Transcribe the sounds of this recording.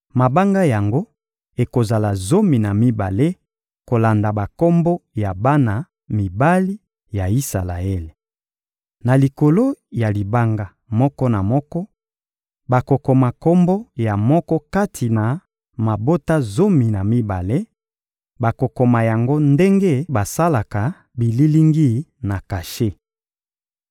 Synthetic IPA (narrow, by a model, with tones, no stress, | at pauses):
ma˨ba˦ŋɡa˦ja˨ŋɡo˦ | e˨ko˨za˨la˨zo˦mi˨na˨mi˦ba˨le˦ | ko˨la˨nda˨ba˨kɔ˦mbo˦ja˨ba˦na˨ | mi˨ba˦li˦ | ja˨i˦sa̰˨la̰˨e˦le˨ | na˨li˨ko˨lo˦ja˨li˨ba˦ŋɡa˦ | mɔ˦kɔ˦na˨mɔ˦kɔ˦ | ba˨ko˨ko˨ma˨kɔ˦mbo˦ja˨mɔ˦kɔ˦ka˦tʰi˨na˨ | ma˨bo˦ta˦zo˦mi˨na˨mi˦ba˨le˦ | ba˨ko˨ko˨ma˨ja˨ŋɡo˦nde˦ŋɡe˦ba˨sa˦la˨ka˨ | bi˨li˦li˦ŋɡi˦na˨ka˨ʃe˦